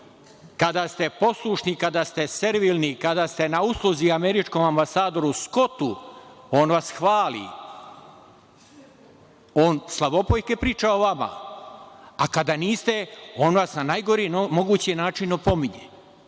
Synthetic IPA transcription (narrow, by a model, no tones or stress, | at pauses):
kad̪ast̪e̞po̞slˠuʃnikad̪ast̪e̞se̞ɾʋilnikad̪ast̪e̞nauslˠoziame̞ɾit͡ʃko̞mambasaːd̪o̞ɾusko̞t̪uo̞ːnʋasxʋaːlḭ | oːnslˠaʋo̞pojke̞pɾiːt͡ʃaoʋama̰ | akad̪aniːst̪e̞o̞ːnʋasnanajɡo̞ɾimoɡuːt͡ɕienaːt͡ʃinopo̞miɲe